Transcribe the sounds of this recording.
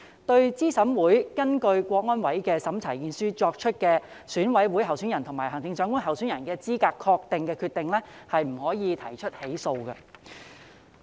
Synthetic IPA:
t̪ɵ˧ɥt͡siː˥sɐ˨˥mwuː˨˥jkɐ˥nkɵ˧ɥkʷɔː˧k̚ŋɔː˥nwɐ˨˥jkɛː˧sɐ˨˥mt͡sʰɐ˨˩jkiː˧nsyː˥t͡sɔː˧k̚t͡ʃʰɵ˥t̚kɛː˧ | syː˨˥nwɐ˨˥jwu˨˥jhɐ˨˩wsy˨˥njɐ˨˩nt̪ʰʊ˨˩ŋmaː˨˩jɦɐ˨˩ŋt̪ɪ˧ŋt͡ʃœː˨˥ŋku˥nɦɐ˨wsyː˨˥njɐ˨˩nkɛː˧t͡siː˥kaː˧kʰːɔː˧k̚t̪ɪ˨ŋkɛː˧kʰyː˧t̪ɪ˨ŋlɛ˥hɐ˨jm̩˨˩hɔː˨˥jiː˨˧t̪ʰɐ˨˩jt͡ʃʰɵ˥t̚he˨˥jso˧wkɐ̰˧

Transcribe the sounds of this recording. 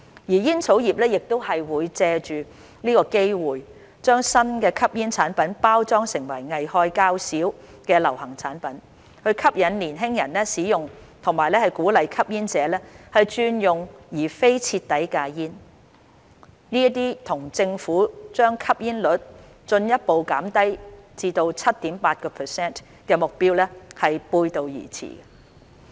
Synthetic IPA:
jiː˨˩jiː˥nt͡sʰo˨˥wjiː˨p̚lɛː˥jɪ˨k̚t̪o˥whɐ˨jwuː˨˧jt͡sɛː˧t͡ʃyː˨ | niː˥kɔː˧ke˥jwuː˨˩j | t͡ʃœː˥ŋsɐ˥nkɛː˧kʰɐ˥p̚jiː˥nt͡sʰaː˨˥npɐ˨˥npaː˥wt͡sɔː˥ŋsɪ˨˩ŋwɐ̰˨˩jŋɐ˨jhɔː˧jkaː˧˥wsiː˨˥w | kɛː˧lɐ˨˩whɐ˨˩ŋt͡sʰa̰ː˨˥npɐ˨˥n | hɵ˧ɥkʰɐ˥p̚jɐ˨˥nliː˨˩nɦɪ˥ŋjɐ˨˩nɛ˥siː˨˥jʊ˨ŋt̪ʰʊ˨˩ŋmaː˨˩jlɛː˥hɐ˨jkuː˨˥lɐ˨˧jkʰɐ˥p̚jiː˥nt͡sɛː˨˧lɛː˥hɐ˨jt͡ʃyː˧njʊ˨˩ŋjiː˨˩fe˥jt͡sʰi˧t̚t̪ɐ˨˥jkaː˧jiː˥n | niː˥t̪̬iː˥t̪ʰʊ˨˩ŋt͡sɪ˧ŋfuː˨˥t͡ʃœː˥ŋkʰɐ˥p̚jiː˥nlɵ˨˥t̚ | t͡ʃɵ˧njɐ˥t̚po˨wkaː˨˥mt̪ɐ˥jt͡siː˧t̪o˧wt͡sʰɐ˥t̚t̪iː˨˥mpaː˧t̚kɔː˧pʰəː˨sɛː˥˩n | kɛː˧mʊ˨k̚piː˥wlɛː˥hɐ˨jpuː˧jt̪o˨˧wjḭː˨˩t͡sʰḭː˨˩ɡɐ˧

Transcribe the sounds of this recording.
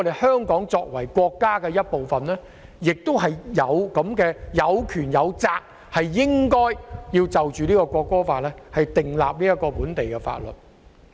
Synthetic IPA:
ɔ˧d̪e˨jhœː˥ŋkɔː˨˥ŋt͡sɔː˧k̚wɐ˨˩jkʷɔː˧kːaː˥kɛː˧jɐ˥t̚po˨wfɐ˨nlɛː˥ | jɪ˨k̚t̪ʊ˥whɐ˨jjɐ˨˧wkɐ˨˥mkɛː˧jɐ˨˧wkʰyː˨˩njɐ˨˧wt͡saː˧k̚ | hɐ˨jːɪ˥ŋkɔː˥jjiː˧wt͡sɐ˨wt͡ʃyː˨liː˥kɔ˧kʷɔː˧kːɔː˥faː˧t̚lɛː˥hɐ˨jt̪ɪ˨˩ŋla̰ː˨p̚liː˥jɐ˥kɔː˧puː˨˥nt̪e˨jkɛ˧fa̰ː˧t̚lɵ̰˨t̚

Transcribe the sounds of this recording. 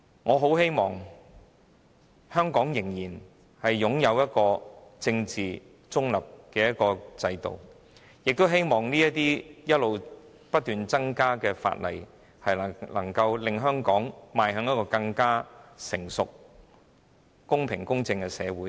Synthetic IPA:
ŋɔː˨˧ɦo˨˥whe˥jmɔː˨˩ŋ | hœː˥ŋkɔː˨˥ŋjɪ˨˩ŋjiː˨˩n | hɐ˨jːʊ˨˥ŋjɐ˨˧wjɐ˥t̚kɔː˧t͡sɪ˧ŋt͡siː˨˩ | t͡sʊ˥ŋlɐ˨p̚kɛː˧jɐ˥t̚kɔː˧t͡sɐ˧jt̪o̰˨˩w | jɪ˨k̚t̪o˥wɦe˥jmɔː˨ŋniː˥jɐ˥t̪iː˥jɐ˥t̚lo˨w | pɐ˥t̚t̪yː˨nt͡sɐ˥ŋkaː˥kɛː˧fa̰ː˧t̚lɐ̰˨˩j | hɐ˨jɐ˨lɐ˨˩ŋkɐ˧wlɪ˨˧ŋɦœː˥ŋkɔː˨˥ŋmaː˨˧jɦœː˨˥ŋnɐ˥kɔː˧kɐ˧ŋkaː˥sɪ˨˩ŋsʊ˨k̚ | kʊ˥ŋpʰɪ˨˩ŋkʊ˥ŋt͡sɪ˧ŋkɛ˧sɛ̰ː˨˧wuː˨˥

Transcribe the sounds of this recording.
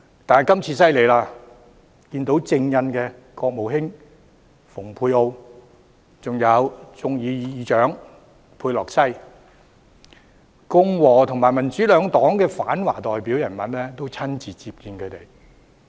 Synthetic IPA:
t̪aː˨n˨jkɐ˥mt͡sʰiː˧sɐ˥jle˨˩jlaː˧ | kiː˧nt̪o˨˥wt͡sɪ˧ŋjɐ˧nkɛː˧ | kɔː˧k̚mo˨˩wɦɪ˥ŋ | fʊ˨˩ŋpʰuː˧jo˧w | t͡sʊ˨ŋjɐ˨˧wt͡sʊ˨ŋjiː˨˧jiː˨˧jiː˨˧t͡ʃœː˨˥ŋ | pʰuː˧jlɔː˨k̚sɐ˥j | kʊ˥ŋwɔː˨˩t̪ʰʊ˨˩ŋmaː˨˩jmɐ˨˩nt͡syː˨˥lœː˨˧ŋt̪ɔː˨˥ŋkɛː˧faː˨˥nwa̰ː˨˩t̪ɔː˨˩jpi˨˥wjɐ˨˩nmɐ˨˥nlɛː˥t̪o˥wt͡sʰɐ˥nt͡siː˨t͡siː˧p̚kiː˧nkʰɵ˨˧ɥt̪e˨˩j

